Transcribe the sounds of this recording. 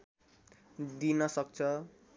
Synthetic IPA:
d̪inʌsʌk̚t͡sʰʌ

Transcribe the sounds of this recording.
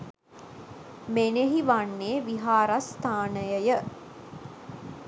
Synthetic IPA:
meneɦiʋanːeːʋiɦaːɾast̪ʰaːnəjəjə

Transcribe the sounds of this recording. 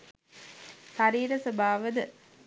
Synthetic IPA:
ʃaɾiːɾəsəbaːʋəd̪ə

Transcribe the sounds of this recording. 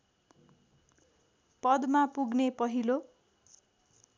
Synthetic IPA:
pʌd̪mapuɡnepʌɦilo

